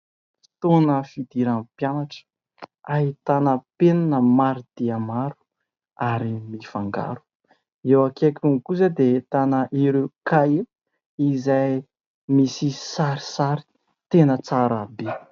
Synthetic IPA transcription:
fi̥t̪onəfid̪iɾampjanaʈ͡ʂə̥ | aɦit̪anəpenanəmaɾid̪̥iamaɾu̥ | aɾimifaŋɡa̰ɾu̥ | ewakakuŋikuzad̪et̪anəʔiɾekaje | izaj | misisaɾi̥saɾi̥ | t̪enət͡saɾabe

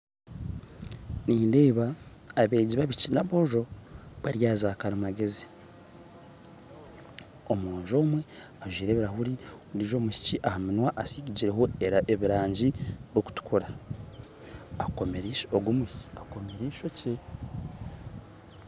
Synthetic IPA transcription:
niːndeːβaː | βe̞ːɟiβaβicinaβo̞ʒo̞βaɾjaːzaːkaɾumaɡe̞zi | omuɲʒo̞ːmwe̞ | aʒiːɾe̞ːβiɾaɦuɾi | ɾiʒo̞ːmuci̥ciʔahamunwaʔasiɟiɟiɾeɦo̞eɾaʔeβiɾaːɲɟiβoku̥tu̥kʰuɾa | ako̞meɾiʃoɡumuci̥akomeɾiːʃo̞ce

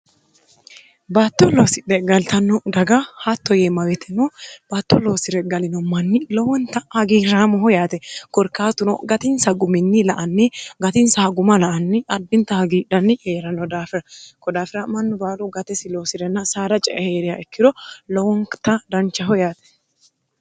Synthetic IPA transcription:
baːt̪ːɔloːsɪᶑɛɡɐlt̪ɐnːɔd̪ɐɡahat̪ːɔjeːmɐwɛt̪ʰɛnɔb̥aːt̪ːɔloːsɪɾɛɡɐlɪnɔmɐnːɪlɔwɔnt̪ɐhɐɡiːɾaːmɔɦɔjaːt̪ɛkɔɾkaːt̪ʊnɔ̰ɡɐt̪ɪnsɐɡʊmɪnːɪlɐʔɐnːɪɡɐt̪ɪnsɐhɐɡʊmɐlɐʔɐnːɪʔɐd̪ːɪnt̪ɐhɐɡiːᶑɐnːɪheːɾɐnːɔd̪aːfɪɾɐkɔd̪aːfɪɾɐmɐnːʊbaːluɡɐt̪ɛsɪloːsɪɾɛnːɐsaːɾɐt͡ʃʼɛʔɛheːɾɪjaʔɛkːɪɾɔlɔwɔŋt̪ɐd̪ɐnt͡ʃːɐɦɔjaːt̪ɛ̥

